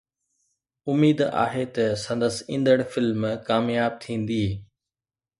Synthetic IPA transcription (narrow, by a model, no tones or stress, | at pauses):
ʊmiːd̪a̰ːɦet̪ɐsɐ̃nd̪əsĩːnd̪əɽ̃fɪlmkaːmjaːb̚t̪ʰĩːnd̪iː